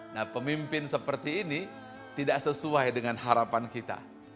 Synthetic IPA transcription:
nahpəmimpɪnsəpərt̪iːni | t̪idaʔsəsuajdəŋanhaɾapankit̪a̰

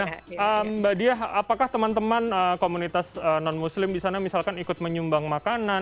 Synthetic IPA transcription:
əmbadiaɦapakaht̪əmant̪əmanəkomunit̪asənɔnmuslɪmdisanamisalkanikʊt̪̚məɲumbaŋmakana

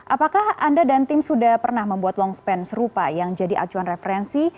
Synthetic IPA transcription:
ʔapakahandadant̪ɪmsudahpərnahməmbuat̪̚lɔŋspɛnsəɾupajaŋd͡ʒadiʔa̰t͡ʃuanrefəɾɛnsi

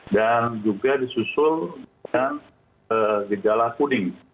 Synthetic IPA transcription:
dand͡ʒuɡadisusʊldəŋan | əɡəd͡ʒalakunɪŋ

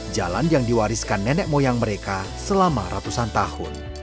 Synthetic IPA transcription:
d͡ʒa̰lanjaŋdiwaɾiskanːɛnɛk̚mojaŋməɾeka | səlama̰ɾat̪usant̪ahʊ̰n

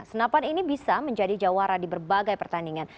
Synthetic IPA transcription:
sənapaninibisaməɲd͡ʒadid͡ʒawaɾadibərbaɡajpərt̪andiŋan

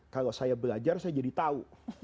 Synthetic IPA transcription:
kalosajabəlad͡ʒarsajad͡ʒadit̪au

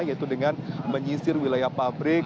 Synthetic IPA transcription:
jait̪udəŋanməɲisɪrwilajahpabɾɪk

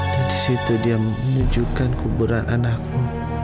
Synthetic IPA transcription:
disit̪udiaənud͡ʒukankubuɾanʔanak̚nu

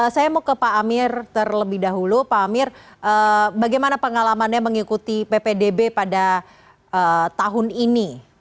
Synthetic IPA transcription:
əsajamokəpaamɪrt̪ərləbɪhdaɦulupaːmɪrʔəbaɡajmanapəŋalamanɲaməŋikut̪ipepedebepada | ʔət̪aɦʊnini

